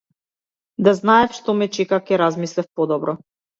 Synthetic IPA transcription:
d̪aznaɛfʃt̪ɔmɛt͡ʃɛkakʲɛɾazmislɛfpɔd̪ɔbɾɔ

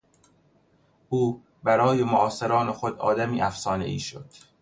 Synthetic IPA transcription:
ʔuː | bæɾɒːjemoʔɒːseɾɒːnexod̪ɒ̰ːd̪æmiːʔæfsɒːnḛʔḭːʃo̰d̪̥

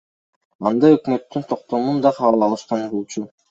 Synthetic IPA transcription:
ɑnd̪ɑɵkmø̞t̪ːynt̪ʰo̞qt̪o̞mund̪ɑqʰɑβɯlˠɑlˠɯʃqɑnɾulˠt͡ʃʰu

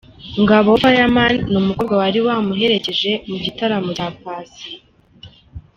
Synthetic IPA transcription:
ŋɡaβoβajamanːumuko̞bɡawaɾiwaːmuɦe̞ɾece̞ʒe̞mubɟitaɾamuapaːsi̥

